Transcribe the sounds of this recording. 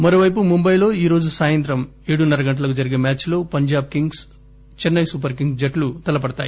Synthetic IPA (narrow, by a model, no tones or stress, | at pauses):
mɐɾo̞ːʋɐjp̬umumbɐjlo̞ːiːɾo̞ːd͡ʒusaːjɐnt̪ɾɐm | eːɽunɐɾɐɡɐɳʈɐlɐk̬ud͡ʒɐɾiɡeːmʲaːt͡ʃlo̞ːpɐɲd͡ʒaːb̚kiŋɡs | t͡ʃɛnːɐjsup̬ɐɾk̬iŋɡd͡ʒɐʈlut̪ɐlɐp̬ɐɽɐt̪aːji